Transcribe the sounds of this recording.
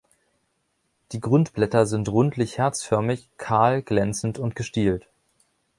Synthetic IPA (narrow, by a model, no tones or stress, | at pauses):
d̥iːɡʁʊntb̥lɛtɐzɪntʁʊntlɪçhɛɐt͡sfœɐmɪçkʰaːlɡ̥lɛnt͡sn̩tʊntɡ̥əʃtiːlt